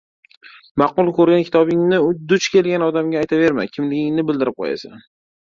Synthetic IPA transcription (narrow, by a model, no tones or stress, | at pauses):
mɑqʊlˠkʰɵɾɡʲankʲʰɪ̥t̪ʰɒbɪŋnɪʊd̪ʊt͡ʃkʲʰe̞lˠɡʲanɒd̪amɡʲaːjt̪ʰave̞ɾma̰kʲʰɪmlɪɡʲɪŋnɪbɪld̪ɪɾɪp̚qʰo̰ja̰sa̰n